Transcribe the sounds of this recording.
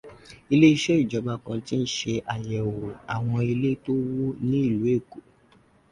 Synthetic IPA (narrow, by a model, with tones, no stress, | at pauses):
i˧le˦i˧ʃe˦i˦˨d͡ʒɔ˨˦ɡ͡ba˧kã˧ti˦n̩˦ʃe˧ʔa˨jɛ˨o˨a˨w̃ɔ̃˧i˧le˦to˦wo˦nĩ˦i˦˨lu˨˦e˦˨ko˨